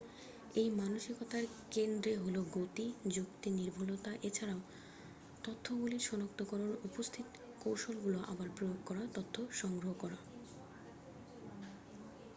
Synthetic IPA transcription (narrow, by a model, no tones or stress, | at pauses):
ejmanoʃikot̪aɾkend̪ɾeɦoloɡot̪id͡ʑukt̪iniɾbʱulot̪aʔet͡ɕʰaɾao | t̪ot̪ʰːobuliɾʃɔnok̚t̪okɔɾonupost̪ʰit̪ | kowʃolɡuloʔa̰baɾpɾojoɡkɔɾat̪ot̪ʰːoʃɔŋɡɾoɦokɔɾa